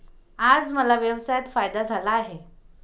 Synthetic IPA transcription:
ad͡zməlaʋjəwsajat̪fajd̪ad͡zʱalaːɦe

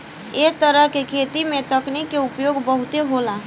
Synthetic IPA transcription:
eɦt̪əɾəɦkekʰet̪imet̪əknikːeupjoɡbəɦut̪eɦola

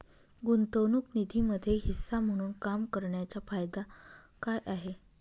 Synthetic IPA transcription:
ɡunt̪əwnuknid̪ʱiməd̪ʱːjeɦisːam̤əɽ̃uːnkamkəɾɳjat͡ɕafajd̪a | kajʔaɦe

